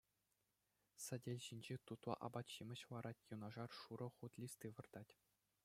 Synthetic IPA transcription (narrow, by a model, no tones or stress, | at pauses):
sɘ̆dʲelʲɕinʲd͡ʑet̪ut̪lˠɑ̰ʔɑ̰bɑt̪ɕimʲɘ̆ɕʋɑɾʔɑtʲjunɑʐɑrʂuɾɤ̆χut̪ʲlʲist̪ʲiʋɤ̆rd̪̥ɑtʲ